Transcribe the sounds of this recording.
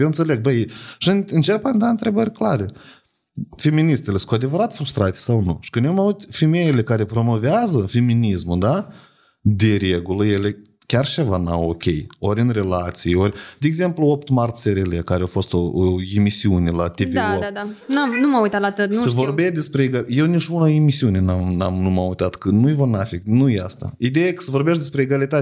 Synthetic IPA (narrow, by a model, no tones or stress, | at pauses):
jewɨnt̪se̞le̞ɡ̚bəjʃiɨɨnt͡ʃepand̪aɨnt̪ɾe̞bəɾʲklaɾe | feminist̪elesu̥kowad̪evəɾat̪fɾust̪ɾat̪e̥sawnṵʃi̥kɨnjemaut̪ʲfimejele̞kaɾe̞pɾo̞mo̞veazəfe̞minismud̪a | d̪eɾʲeɡuləje̞le | kʲarʃevana̰wokʲe̞̰jo̞ɾʲɨnre̞lat̪sijorʲd̪̥ʲeːɡze̞mpluo̞pt̪mart̪seɾelekaɾeawfo̞st̪ooemisiunʲe̞lat̪iviaload̪anamnumaujt̪at̪lat̪ɨt̪nsəvorbesd̪e̞spɾeeɡaje̞wnit͡ʃunaemisiunenamnamnumamujt̪at̪kənujvornafiknujeast̪a̰id̪ejakə̥səvo̞rbeʃ̬td̪espɾeːɡalit̪at̪